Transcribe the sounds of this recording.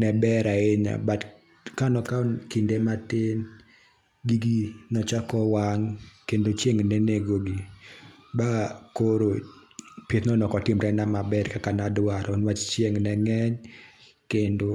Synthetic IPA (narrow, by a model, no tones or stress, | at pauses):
nɛbɛɾaeɲa̰bat | kanɔkakindematɪn | ɡiɡinɔt͡ʃakɔwaŋkendot͡ʃjeŋneneɡoɡi | bakoɾo | pjet̪nɔnɔkɔtɪmɾɛnamabɛɾkakanadwaɾʔɔnwat͡ʃt͡ʃjeŋnɛŋɛɲ | kendo